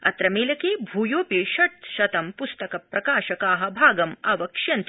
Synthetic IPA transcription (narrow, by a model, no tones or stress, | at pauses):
ɐ̰t̪ɾɐmeːlɐkeːbʱuːjoːpiʃɐt̪ʃɐt̪ɐmpust̪ɐkɐpɾɐkaːʃɐkaːɦɐ̆bʱaːɡɐma̰ːʋɐkʂjɐnt̪